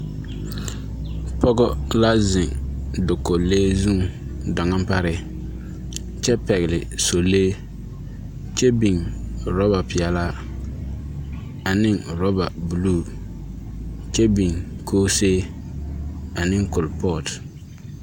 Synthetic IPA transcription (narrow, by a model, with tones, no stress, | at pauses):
pɔ˦ɡɔ˦la˦zɪ˨ŋdʊ˨ko˨leː˦zũ˦ŋda˨ŋa˦mpa˦ɾɪ˨ | t͡ʃɛ˦pɛ˨ɣɪ˨lɪ˨so˨leː˦ | t͡ʃɛ˦bi˨ŋɾɔ˦ba˨pɪ˨ɛ˨la˦ | a˨nɪ˦ŋɾɔ˦ba˨bu˨luː˦˨ | t͡ʃɛ˦bi˨ŋkʰoː˦seː˦ | a˨nɪ˦ŋkʊ˨lpɔː˦˨t